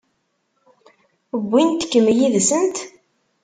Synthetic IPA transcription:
əbʷːint̪kːəmjiðsənt̪

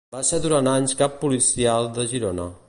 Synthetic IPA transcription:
b̥aseɾðuɾant̪aɲskapːulisialˠd̪əʒiɾonə

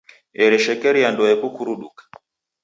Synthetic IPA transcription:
ɛɾɛʃɛkɛɾiandɔjɛkukuɾuɗukḁ

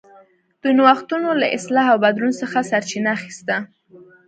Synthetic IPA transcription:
d̪̥unwaxt̪unola̰ʔɪslɑɦawbad̪ɾunsəxasaɾt͡ʃinaːxi̥st̪a

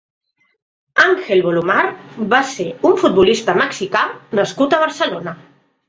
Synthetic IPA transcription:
aŋxelˠβolumaɾβaseuɱfut̪̚bulist̪əməksikanəskut̪əβ̞əɾsəlonə

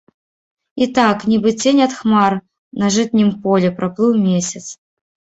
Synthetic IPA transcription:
it̪aknʲibɨt͡sʲenʲɐt̪xmar | nɐʐɨt̪nʲimpɔlʲɛpɾʔɐplˠɨwmʲesʲɐt̪s

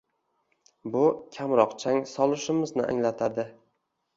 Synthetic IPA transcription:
bʊkʲʰamɾɒqt͡ʃʰaŋsɒlˠɪʃɪmɪznɪʔa̰ŋlat̪ʰad̪ɪ

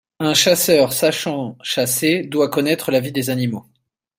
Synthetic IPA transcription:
ɛ̃ʃasœʁsaʃɑ̃ʃased̪wakɔnɛt̪χəlavid̪ezanimo

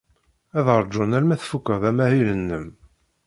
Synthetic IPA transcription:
æðəɾˤd͡ʒʊnæɾmæθfukːəðæmæhilənːəm

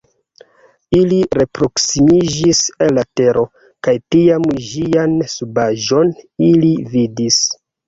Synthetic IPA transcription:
iliɾe̞pɾo̞ksimid͡ʒiselːateɾʔo̞ | kajtiamʒiansubaʒo̞nilividis

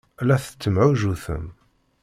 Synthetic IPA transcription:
læθə̥t͡sːəmʕuʒuθə̰m

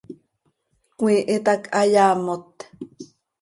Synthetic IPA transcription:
kwʷiʔit̪akʰajaːmot̪

